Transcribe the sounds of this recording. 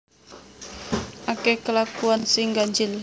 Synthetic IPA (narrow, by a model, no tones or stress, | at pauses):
ʔakekəlakuansɪŋɡaɲd͡ʒɪl